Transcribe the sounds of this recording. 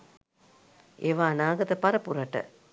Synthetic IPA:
eʋaːnaːɡɐt̪ɐpɐɾɐpuɾɐʈːɐ̰

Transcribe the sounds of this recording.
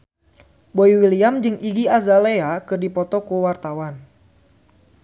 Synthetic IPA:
boiwiliamd͡ʒɨŋʔiɡiazaleakɨrdipɔt̪ɔkuwart̪awan

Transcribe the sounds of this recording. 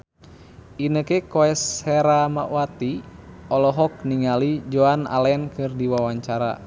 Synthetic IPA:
inəkɛkoɛshɛɾama̰ʔwat̪iɔlɔɦɔk̚niŋalid͡ʒoana̰lɛnkɨrdiwawaɲt͡ʃaɾa̰

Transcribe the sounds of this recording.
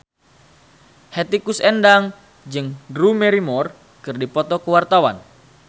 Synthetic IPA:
hɛt̪ikusɛndaŋ | d͡ʒɨŋdɾumɛɾimɔr | kɨrdipɔt̪ɔkəwart̪awan

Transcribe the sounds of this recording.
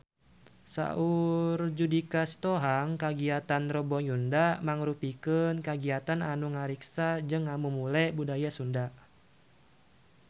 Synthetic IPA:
sa̰ʔurd͡ʒudikast̪oɦaŋkaɡiat̪anrɔbɔjundamaŋɾupikənkaɡiat̪ananuŋaɾiksad͡ʒɨŋːamumulɛbudajasunda

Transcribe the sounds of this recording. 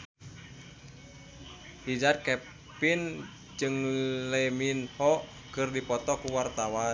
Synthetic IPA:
hid͡ʒat̪̚kɛ | pin | d͡ʒɨŋlɛminhɔʔ | kɨrdipɔt̪ɔkuwart̪awa

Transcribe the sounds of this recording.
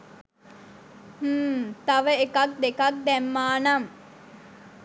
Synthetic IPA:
həːt̪aʋəekak̚d̪ekak̚d̪ɛmːaːnam

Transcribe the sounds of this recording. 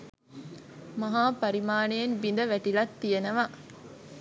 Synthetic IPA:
mɐɦaːpɐɾimaːnejenbind̪əʋæʈilɐt̪ːijenɐʋa

